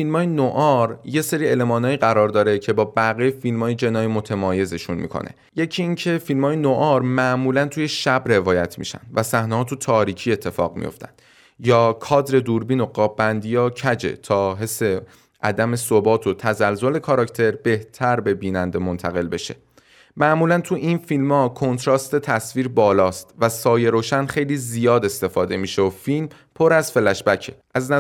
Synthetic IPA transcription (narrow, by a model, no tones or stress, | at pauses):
filmɒːjenoʔɒɾje̞se̞ɾiele̞mɒːnɒːjiːɣæɾɒːɾd̪ɒːɾecʰe̞bɒːbæɣejefilmɒːjed͡ʒe̞nɒːjemot̪ʰemɒːje̞zeʃunmḭkʰo̰ne̞̰ | je̞cʰiiːŋcʰe̞filmɒːjenoʔɒɾmæʔmuːlænt̪ʰuje̞ʃæbɾe̞vɒːjæt̪ʰmḭːʃæ̰nd̪̥væsæhnehɒːt̪ʰut̪ʰɒːɾiːcʰiːe̞t̪ʰːe̞fɒ̰ːɣmḭjo̰ft̪æ̰nd̪̥ | jɒːkʰɒːd̪ɾe̞d̪uɾbiːno̞ɡɒːbːænd̪ijɒːcʰæd͡ʒe̞̰t̪ʰɒːɦe̞sːe̞ | ʔæd̪æme̞sobɒːt̪ʰo̞t̪ʰæzælzole̞kʰɒɾɒct̪ʰe̞ɾbe̞ht̪ʰæɾbe̞biːnænd̪emo̞nt̪ʰæɣe̞lbe̞ʃe̞̰ | mæʔmuːlænt̪ʰuʔinfilmɒːkʰo̞nt̪ʰɾɒːst̪e̞t̪ʰæsviːɾbɒːlɒːst̪væsɒːje̞ɾoːʃænχe̞jliːzijɒːd̪e̞st̪e̞fɒːd̪e̞miːʃeofilm | pʰoɾæzfe̞læʃbæcʰe̞ʔæznæ